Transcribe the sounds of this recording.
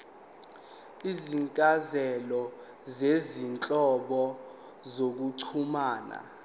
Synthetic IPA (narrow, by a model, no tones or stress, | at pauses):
iziŋkʼazɛlɔ | zezint͡ɬʼɔɓɔ | zok̬uǀʰumaːna̰